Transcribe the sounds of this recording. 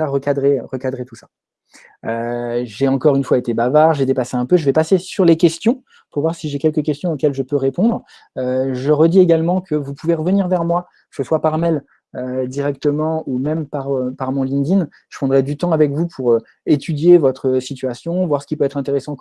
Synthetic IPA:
aʁəkad̪ʁeʁəkad̪ʁet̪usḁ | øʒeɑ̃kɔʁynfwaet̪ebavaʁʒed̪epaseɛ̃pøʒəvɛpasesyʁlekʲɛst̪jɔ̃ | puʁvwaʁsiʒekʲɛlkək̬ʲɛst̪jɔ̃okʲɛlʒəpøʁepɔ̃d̪ʁ | øʒəʁəd̪ieɡalmɑ̃kʰəvupuveʁəvəniʁvɛʁmwa | kə̥səswapaʁmɛl | ød̪iʁɛk̚t̪əmɑ̃umɛmpaʁøpaʁmɔ̃lĩd̪in | ʒ̥ə̥pχɑ̃d̪ʁɛd̪yt̪ɑ̃avɛkvupʰuʁø | et̪ʰyd̪jevɔt̪χəsit̪ɥasjɔ̃vwaʁsə̥kʲipøɛt̪χɛ̃t̪eʁesɑ̃

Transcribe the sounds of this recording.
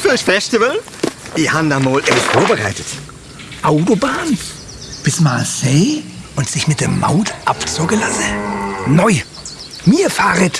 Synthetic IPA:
fyçfɛstɪvəl | d̥ihandamoːlʔɛbɪstfoːɐbəʁa̰ɪtət | ʔaʊtobaːn | b̥ɪsmaːseːʔʊntz̥ɪçmɪt̚d̥eːɐma̰ʊtʔapt͡sʊkəlasənɔʏ | miːɐfaːʁət

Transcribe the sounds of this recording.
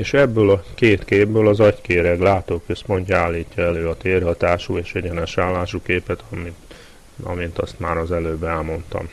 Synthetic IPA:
eːʃɛbːøːlɒkeːt̪keːbbøːlɒzɒckeːɾɛɡlaːt̪oːkø̞spo̞ɲcːɔaːlːiːcːɒɛløːɒt̪eːrɦɒt̪aːʃueːʃɛɟɛnɛʃaːlːaːʃukeːpɛt̪ɒmi | ɒ̰mint̪ɒst̪maːɾɒzɛløːbːɛɛlmo̞nt̪ɒ̰m

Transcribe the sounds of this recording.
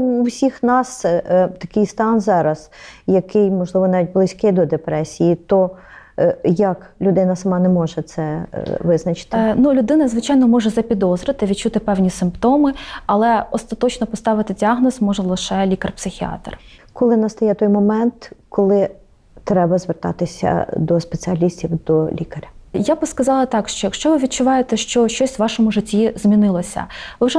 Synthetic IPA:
wsʲixnɑst̪ɐkɪjst̪ɑnzɑɾɐz̥jɐkɪjmɔʒlˠɪʋɔnɑʋʲit̚ʲblˠɪsʲkɪd̪ɔd̪epɾɛsʲijit̪ɔ | jɐklʲʊd̪ɪnɐsɐmɑnɛmɔʒɛt̪sɛʋɪznɐt͡ʃɪ̥t̪ɪnulʲʊd̪ɪnɐzʋɪt͡ʃɑjnɔmɔʒɛzɐpʲid̪ɔzɾɪt̪ɪʋʲid̪̚t͡ʃut̪ɪpɛwnʲisɪmpt̪ɔmɪɐlˠɛɔst̪ɐt̪ɔt͡ʃnɔpɔst̪ɑʋɪt̪ɪdʲiɑɦnɔsmɔʒɛlˠɪʃɛlʲikɐrpsɪxʲiɑ̰t̪r | kɔlˠɪnɐst̪ɔjɛt̪ɔjmɔmɛnt̪kɔlˠɪ | t̪ɾɛbɐzʋert̪ɑ̰t̪ɪsʲɐ̰d̪ɔspet͡sʲɪɐlʲisʲtʲiwd̪ɔlʲikɐɾʲɐjabskɐzɑlˠɐt̪ɑkʃt͡ʃɔjɐkʃt͡ʃɔʋɪʋʲid̪̚t͡ʃʊʋɑjet̪ɛʃt͡ʃɔʃt͡ʃɔsʲʋɑʃɔmʊʐɪtʲːizmʲinɪlˠɔsʲɐ̰ʋɪwʒɛ

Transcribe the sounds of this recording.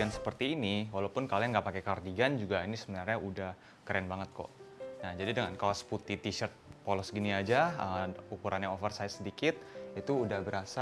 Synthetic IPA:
ansə̥pərt̪iːniwalaupʊnkaliaŋɡaʔpakekardiɡand͡ʒuɡainisəbənarɲaʔudah | kəɾɛnbaŋət̪̚kɔ̰ʔnad͡ʒadidəŋankalasə̥put̪it̪iʃərt̪̚pɔlɔsɡiniad͡ʒaəukuɾʔanɲaofərsajsədikɪt̪̚it̪uːdahbəɾasa

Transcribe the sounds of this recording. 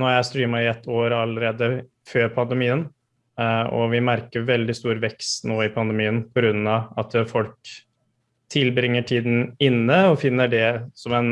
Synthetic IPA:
noːjæst̪ɾiːmɑɪɛt̪ʰːoːɾɑlːəɾeːd̪ə | føːɾpʰɑnd̪əmiːən | ɔ̰ʋɪmæɾkəɾʋɛld̪ɪst̪uːɾʋɛkst̪noːɪpʰɑnd̪əmiːənpʰɔɡɾʉnːɑɑt̪fɔlk̚ | t̪ʰɪlbɾɪŋːəʈʰiːd̪n̩ɪnːəɔfɪnːəɖɛsɔmɛn

